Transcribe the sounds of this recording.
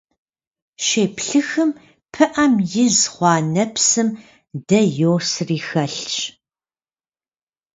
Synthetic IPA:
ʃeːpɬɨxɨm | pʰɨʔɐmjɪzχʷɑːnɐpsɨm | dɐjoːsriːxɐɬt͡ʃʼ

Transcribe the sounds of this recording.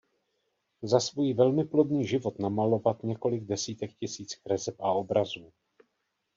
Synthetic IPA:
zasvujivɛlmɪplo̞dniːʒɪvo̞t̪namalo̞vat̪ɲɛko̞lɪɡ̚dɛsiːt̪ɛk̚cɪsiːt͡sxɾɛzɛpʔao̞bɾazuː

